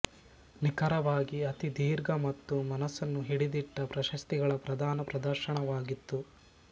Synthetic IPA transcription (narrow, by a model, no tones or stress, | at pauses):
nikɐɾɐʋaːɡiɐt̪id̪iːɾɡɐmɐt̪ːumɐnɐsɐnːuɦiɽid̪iʈːɐpɾɐʃɐst̪iɡɐɭɐpɾɐd̪ʱaːnɐpɾɐd̪ɐɾʃɐɳɐʋaːɡit̪ːu